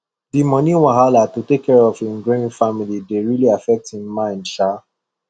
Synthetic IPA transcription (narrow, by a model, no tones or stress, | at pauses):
dimɔ̃niw̃ãɦalatutekʰːɛɹɔfĩnɡɹẽĩfamilideɹiliafɛk̚thĩmmãɪ̃ndʃa